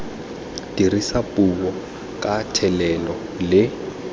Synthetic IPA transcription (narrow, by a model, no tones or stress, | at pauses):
dirisapʼuβɔ | kʼatʰɛlɛlɔ | lɪ